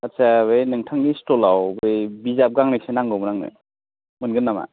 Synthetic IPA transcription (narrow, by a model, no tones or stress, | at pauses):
atsaβɯjnɯŋtʰaŋnistɔlawbejbizap̚ɡaŋneksenaŋɡɯwmɾaŋnɯ̰ | mɯnɡɯnːama̰